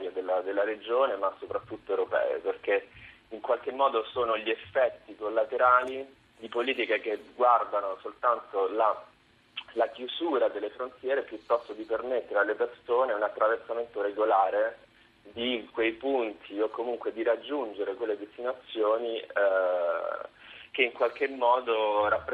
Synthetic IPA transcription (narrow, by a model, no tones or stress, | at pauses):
aɾjad̪elːad̪elːaɾed͡ʒoːnemasopɾat̪ːut̪ːoewɾopɛ̰ːḛperke | iŋkwalk̟emːɔːd̪osoːnoʎiefːɛt̪ːikolːat̪eɾaːli | d̪ipoliːt̪ikek̟eɡward̪anosolt̪ant̪ola | lakjuzuːɾad̪elːefɾont̪jɛːɾepjut̪ːɔst̪od̪ipermet̪ːeɾealːepersoːneunat̪ːɾaversament̪oɾeɡolaːɾe | d̪ikwejpunt̪ʰiokːomuŋkwed̪iɾad͡ʒːund͡ʒeɾekwelːed̪est̪inat̪sːjoːni | k̟eiŋkwalkemːɔːd̪oɾapːɾ